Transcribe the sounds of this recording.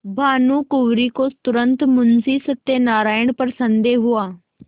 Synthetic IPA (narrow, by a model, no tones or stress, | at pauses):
bʱaːnukʊʋɾikot̪ʊɾə̃nt̪mʊnsiːsət̪ːenaːɾaːəɳ̃pəɾsə̃nd̪eɦʊaː